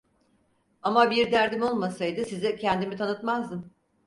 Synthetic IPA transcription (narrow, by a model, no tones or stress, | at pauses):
amabiɾd̪æɾd̪imo̞lˠmasajd̪ɯsizɛcʰɛnd̪imit̪ʰanɯt̪mazd̪ɯm